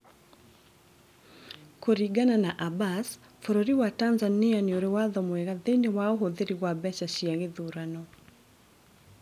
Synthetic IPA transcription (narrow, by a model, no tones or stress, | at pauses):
koɾiɡananaʔabas | foɾoɾiwatanzanianeoɾewaðɔmwɛɣaðeinewaoɦoðeɾiɣwabɛt͡ʃaʃiaŋɡeðuɾanɔ